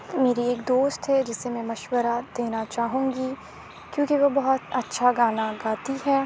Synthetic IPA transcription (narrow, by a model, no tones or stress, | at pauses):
meːɾieːkd̪oːst̪ɦɛd͡ʒɪsemɛ̃mɐʃwəɾad̪̥eːnat͡ʃaːɦũːɡi | kjõːkiʋobɐɦɔt̪ɐtːʃʰaɡaːnaɡaːt̪iɦɛː